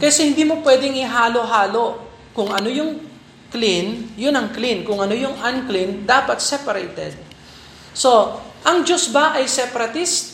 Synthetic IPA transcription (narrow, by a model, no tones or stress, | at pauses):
kɐjsɛhɪ̃nd̪iːmopwɛːd̪ɪŋɪɦaːloɦaːlo̞ | kʊŋɐnojʊŋ | klinjʊnɐŋklinkʊŋɐnojʊŋʔɐnklind̪aːpɐt̪̚sɛpɐɾɛjt̪ɛd̪̚ | so̞ʔɐŋd͡ʒosbɐʔɐjsɛpɐɾɐt̪ist̪